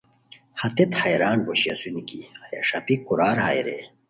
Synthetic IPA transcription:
hɐt̪et̪hɐjɾaːnboɕiɐsunikḭhɐjɐ̰ʂɐpikuɾaːɾha̰ːjɾḛ

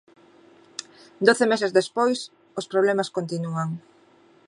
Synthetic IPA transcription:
d̪oθemɛsezðespojs | ospɾoβ̞lɛmɐskont̪inuaŋ

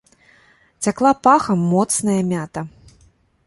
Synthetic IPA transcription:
t͡sʲaklˠapaxɐmːɔt̪snɐjɐmʲat̪ɐ

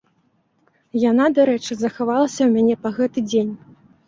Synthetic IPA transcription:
janad̪aɾɛt͡ʂɨzɐxavalˠɐsʲɐwmʲanʲɛpɐɣɛt̪ɨd͡zʲenʲ

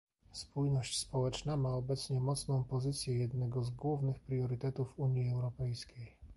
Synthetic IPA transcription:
spujnɔɕt͡ɕspɔwɛt͡ʂnamaɔbɛt̪sɲɛmɔt̪snɔ̃w̃pɔzɘt̪sʲjɛjɛd̪nɛɡɔzɡwuvnɘxpɾʲjɔɾɘt̪ɛt̪ufuɲjiɛwɾɔpɛjskʲej

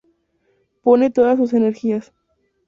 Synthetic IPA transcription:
po̞ne̞t̪o̞ðas̬ːus̬e̞ne̞ɾxias

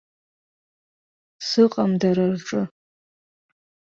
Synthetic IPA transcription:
sɨqʼamdaɾarʈ͡ʂʼɨ

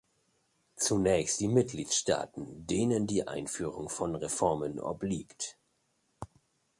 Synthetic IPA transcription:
t͡sunɛːçstd̥iːmɪt̚ɡ̥liːtʃta̰ːtn̩deːnəndiːʔa̰ɪnfyːʁ̞ʊŋfɔnʁefɔɐmənʔɔ̰bliːkt

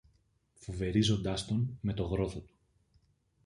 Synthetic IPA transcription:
fo̞ve̞ɾizo̞nd̪ɐst̪o̞nme̞t̪o̞ɣɾo̞θo̞t̪u̥

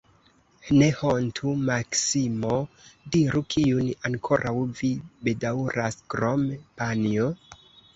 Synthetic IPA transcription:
ne̞hontʰumaksimodiɾukʰiunaŋkʰo̞ɾʔawvibe̞dawɾaskɾompanio

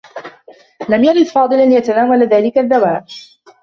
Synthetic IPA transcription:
lamjaɾɪd̪fɑːd̪ˤɨlanjat̪anaːwalðaːlɪkaðːawaːʔ

